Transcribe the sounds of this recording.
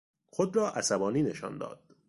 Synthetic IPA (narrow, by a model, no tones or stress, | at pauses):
xod̪ɾɒːʔæsæbɒːniːne̞ʃɒ̰ːnd̪ɒ̰ːd̪̥